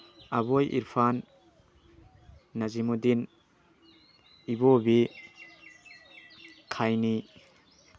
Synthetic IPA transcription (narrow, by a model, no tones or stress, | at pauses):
aβojʔḭɾpʰan | ɐzimudin | ibobi | kʰajni